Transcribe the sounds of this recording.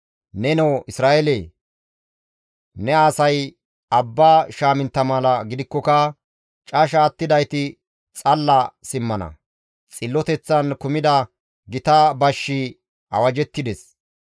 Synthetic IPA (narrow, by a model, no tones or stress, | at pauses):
nɛnɛwʔɪsɾaːʔɛle | nɛaːsɐj | ɐbːaːʃaːmɪnt̪ːɐmɐlɐɡɪd̪ɪkːɔkɐ | t͡ʃʼɐʃaːt̪ːɪd̪ɐjt̪ɪ | t͡sʼɐlːɐsɪmːɐnɐ̰ | t͡sʼɪlːɔt̪ɛt͡sːɐnkʊmɪd̪ɐ | ɡɪt̪abɐʃːɪ | ɐ̰wɐd͡ʒɛt̪ːɪd̪ɛs